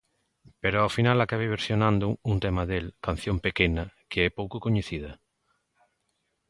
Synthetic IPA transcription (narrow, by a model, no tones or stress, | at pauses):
peɾoawfinalakaβ̞eβ̞eɾsjonãnd̪uunt̪emaðelkan̟θjõmpekenɐkeɛpowkokoɲeθið̞ɐ